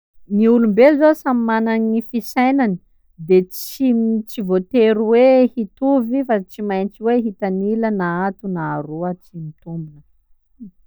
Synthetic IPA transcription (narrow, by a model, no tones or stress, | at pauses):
niulumbelzosamimananifisajnani̥ | d̪et͡simt͡sivot̪eɾuwehit̪uvifat͡simajnt͡ʃiweɦit̪anilənaat̪unaːɾuət͡simit̪umbunə